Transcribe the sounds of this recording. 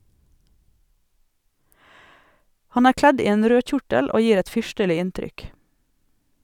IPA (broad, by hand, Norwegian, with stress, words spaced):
ˈhɑn ˈæːɾ ˈklɛd ˈiː ˈeːn ˈɾøː ˈçʊʈəl ˈoː ˈjiːɾ ˈɛt ˈfʏʃtəlɪ ˈɪntɾʏk